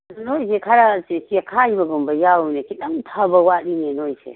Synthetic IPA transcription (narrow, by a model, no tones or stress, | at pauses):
nojsekʰaɾasesiakʰaibɐɡumbɐjawnekiɗɐŋtʰabɐwaɗinenojsḛ